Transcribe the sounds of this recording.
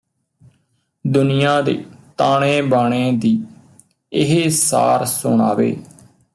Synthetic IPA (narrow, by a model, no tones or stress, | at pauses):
d̪ʊnɪjãːd̪ḛːt̪aːɽẽːbaːɽ̃ẽːd̪iː | ɪɦeːsa̰ːɾsʊɳa̰ːʋḛː